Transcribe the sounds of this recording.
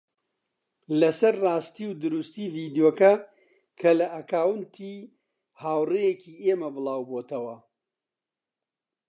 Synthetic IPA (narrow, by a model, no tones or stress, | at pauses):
lɐsɐɾːaːst̪iːwd̪ɨɾust̪iːviːd̪ijoːkɐ | kʰɐlɐʔɐkaːwɨnt̪ʰiː | haːwrejekʰiːeːmɐbɨlˠaːwboːt̪ʰɐwɐ